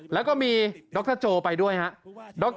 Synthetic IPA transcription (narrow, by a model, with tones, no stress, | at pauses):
lɛː˦˥wkɔː˥˩miː˧dɔː˦˥k̚t̪ɤː˥˩t͡ɕoː˧pa˧jdu˥˩əjha˦˥ʔdɔː˦˥k̚